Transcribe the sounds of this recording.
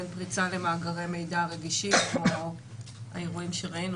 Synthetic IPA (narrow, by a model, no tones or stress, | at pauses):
enpʁit͡sale̞maːɡaʁe̞me̞jdaʁe̞ɡiʃiko | a̰eʁuimʃeʁainu